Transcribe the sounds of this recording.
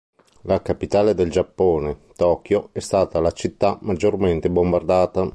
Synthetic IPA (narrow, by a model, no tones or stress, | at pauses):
lakapit̪aːled̪eld͡ʒapːoːnet̪ɔːkjoɛst̪aːt̪alat͡ʃit̪ːamːad͡ʒːorment̪ebombard̪aːt̪a